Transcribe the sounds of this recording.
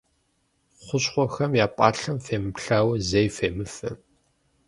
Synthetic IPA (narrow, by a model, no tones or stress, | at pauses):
χʷʊɕχʷɔxɐmjaːpʼɑːɬɐmfeːmɨpɬaːwɐzejfeːmɨfɨ